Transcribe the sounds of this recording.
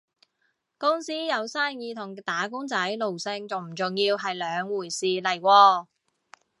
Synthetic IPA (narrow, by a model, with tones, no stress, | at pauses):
kʊ˥ŋsiː˥jɐ˨˧wsaː˥njiː˧t̪ʰʊ˨˩ŋt̪aː˨˥kʊ˥ŋt͡sɐ˨˥jlo˨wsɪ˧ŋt͡sʊ˨ŋm̩˨˩t͡sʊ˨ŋjiː˧wɦɐ˨jlœː˨˧ŋwuː˨˩jsiː˨lɐ˨˩jwɔː˧